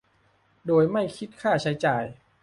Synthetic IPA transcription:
doː˨˩jma˥˩jkʰi˦˥t̪̚kʰaː˥˩t͡ɕʰa˦˥jt͡ɕaː˨˩j

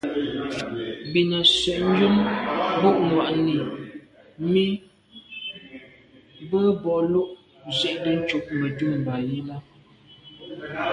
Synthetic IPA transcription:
bi˨na˨sɥɛ˨ʔm̩˦d͡ʒju˦mbo˦˨ʔŋwa˨ʔni˨ | mi˦ | bə˦bɔ˨lu˦ʔ | zɛ˦ʔdə˦n̩˦t͡ʃu˦ʔmə˨tu˦˨m˨ba˨ji˦ma˦

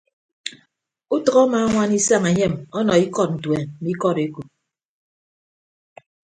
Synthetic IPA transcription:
u˦tʌ˨ɣɔ˦maː˨˦ŋʷa˦ni˦sa˦ŋe˨ɲe˦˨mɔ˦nɔ˨i˦kɔ˦t̚n̩˨twe˨mi˦kɔ˦˨ɾe˦ku˨p̚

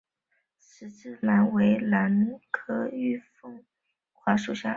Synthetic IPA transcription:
ʂɻ̩˨˩t͡sɹ̩˥˩la˧˥nwe˧˥ɪla˧˥nkʰɤ˥y˥˧fɤ˥˩ŋ | xwa˧˥ʂu˨˩ɕja̰˥˩

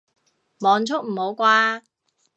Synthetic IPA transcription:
mɔː˨˧nt͡sʰʊ˥k̚m̩˨˩ho˨˧wkʷaː˧

